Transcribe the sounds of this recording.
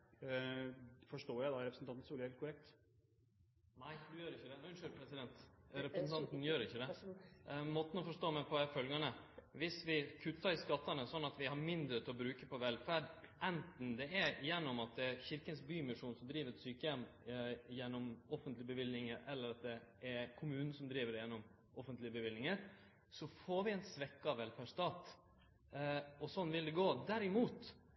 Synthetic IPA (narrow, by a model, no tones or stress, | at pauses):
fɔʂʈoːjæɪd̪ɑɾɛpɾəsn̩t̪ɑnt̪suːlɪhɛːlkʰʊɾɛk̚t̪ | næɪd̪ʉjøːɾɪçːəd̪ɛʉnʂøɾpʰɾɛsɪd̪ɛnt̪ɾɛpɾəsnt̪ʰɑnt̪njøːɾɪçːəd̪ɛ | mɔt̪ːən̩ɔfɔʂʈoːmæɪpʰɔɛfœlɡɑnəʋɪsʋɪkʰʉt̪ːɑɾɪskɑt̪ːɑnəsɔnːɑt̪ʋɪhɑɾmɪnd̪ɾət̪ʰɪlɔbɾʉːkəpɔʋɛlfæɖʔɛnt̪n̩d̪ɛɛjɛnːɔmɑt̪̚d̪ɛæɾçɪɾkənsbyːmɪʂuːnsɔmd̪ɾiːʋəɾɛt̪syːkəjɛmjɛnːɔmɔfənt̪lɪəbəʋɪlnɪŋəɾʔɛlːəɾɑt̪̚d̪ɛʔæɾkʰʊmʉːnn̩sɔmd̪ɾiːʋəɾɛjɛnːɔm | ɔfənt̪lɪəbəʋɪlnɪŋəɾ | sɔfoːɾʋɪɛnsʋɛkːɑʋɛlpʰæʂt̪ɑːt̪ | ɔsɔnːʋɪld̪ɛɡoːd̪æɾɪmuːt̪